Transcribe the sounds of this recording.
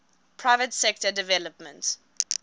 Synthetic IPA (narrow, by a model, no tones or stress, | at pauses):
pʰɹaɪvətsɛk̚tədɪvɛləpmə̃nt